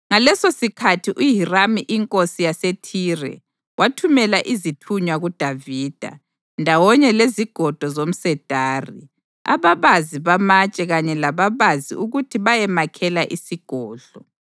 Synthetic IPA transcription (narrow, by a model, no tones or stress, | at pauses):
ŋalɛsosikʰatʰiʔuɦiramiʔiŋkʼosijasetʰiːrɛ̰ | watʰumɛlaʔizitʰuɲwaɣud̥ʱaviːd̥ʱa̰ | ndʱawɔɲɛleziɡ̥ʱɔd̥ʱɔzom̩sɛd̥ʱaːri | a̰βaβaziβamat͡ʃʼɛɣaɲɛlaβaβazḭʔuɣutʰiβajɛmakʰɛlaʔisiɡ̥ʱɔːɮɔ